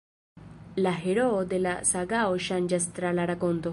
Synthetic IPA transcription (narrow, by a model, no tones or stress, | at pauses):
laɦeɾoːd̪elasaɡaoʃand͡ʒast̪ɾalaɾakond̪o